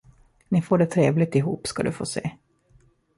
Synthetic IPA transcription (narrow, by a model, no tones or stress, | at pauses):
nɪfoːɖɛt̪ʰɾeːvlɪt̪ɪɦuːpskad̪ɵ̰fo̰ːsḛː